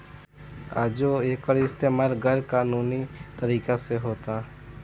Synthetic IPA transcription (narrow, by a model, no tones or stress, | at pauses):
a̰ːd͡ʒoeːkɔːɾɪst̪eːmaːlɡəɾkaːnuːnit̪əɾiːkaseɦoːt̪a